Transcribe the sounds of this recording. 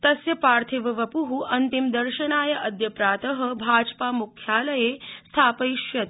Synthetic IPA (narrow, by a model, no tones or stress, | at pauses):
t̪ɐsjɐpaːɾt̪ʰiʋɐʋɐpuɦuʔɐnt̪imd̪ɐɾʃɐnaːjɐʔɐd̪jɐpɾaːt̪ɐɦɐ̆bʱaːd͡ʒpaːmukʰjaːlɐjeːst̪ʰaːpɐjʃjɐt̪